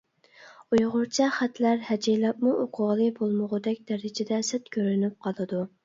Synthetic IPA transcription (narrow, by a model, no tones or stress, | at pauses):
ujʁʊɾt͡ʃʰɛχæt̪læɾhɛd͡ʒijlˠɑp̚muʔoqʰʊʁlˠɨbolˠmʊʁʊd̪ɛkʲd̪̥æɾɪd͡ʒɪd̪ɛsɛt̪kʲøɾynyp̚qʰɑlˠɨd̪u